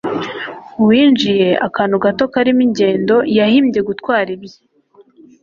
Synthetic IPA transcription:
uwiːnd͡ʒije̞ʔakaːn̤uɡato̞kaɾimiɲɟe̞ːndo̞jahimɟe̞ɡutkwaːɾibje

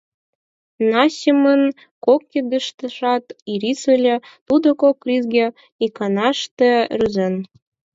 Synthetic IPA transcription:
nɑsʲəmən | kokːed̪ə̆ʃt̪ə̆ʃɑt̪iɾisəlʲĕt̪ud̪okokrizɡʲĕ | ikɑnɑʃt̪ĕryzen

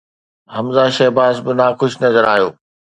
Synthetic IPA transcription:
ɦɐmzaːʃɐɦbaːsbɪnaːxʊʃʰnɐzəɾaːɦijoː

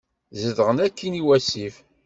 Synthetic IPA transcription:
zəðʁənækʰːiniwæsif

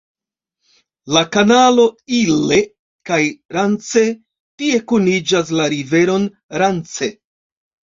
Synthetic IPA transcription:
lakanalo̞ile̞ | kajɾant͡se̞ | tie̞kunid͡ʒas̬laɾive̞ɾo̞n | ɾant͡se̞

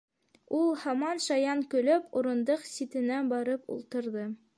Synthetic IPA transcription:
ulˠhɑmɑnʃɑjɑŋkɵ̆lɘpuɾɤ̆nd̪ɤqsʲit̪ɘ̆næbɑɾɤpṵlˠt̪ɤ̆ɾðɤ

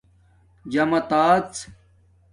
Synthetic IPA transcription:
d͡ʑɐmɐt̪aːt͡s

